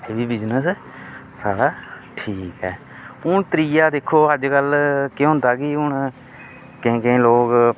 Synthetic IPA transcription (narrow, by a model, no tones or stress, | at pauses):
eːbiːbɪd͡ʒnəsː | saːɽaː | ʈʰiːkɦɛː | ʊɳt̪ɾiːjaːd̪ɪkʰːoːɦəd͡ʒkəlkjɦʊ̃nd̪aːkɪʊɳ | kɪ̃ːkeẽːloːk